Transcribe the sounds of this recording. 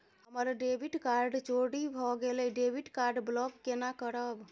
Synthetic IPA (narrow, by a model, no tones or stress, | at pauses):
ɦəməɾɖebʱiʈkaɾɖt͡ʃoɽibʱɔɡelɛɖebʱiɖkaɾɖblɔkːenakəɾəb